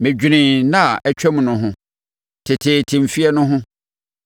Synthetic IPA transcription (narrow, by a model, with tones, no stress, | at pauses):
mɪ̃˨d͡ʑᶣnɪ̃˨nã˦˨ʔɛ˦t͡ɕᶣɛ˦mũ˨nʊ̃˦ɦʊ̃˦ | tʰɪ˨tʰɪ˨tʰɪ̃˨m̩˨fi˦ɛ˦nʊ̃˦ɦʊ̃˦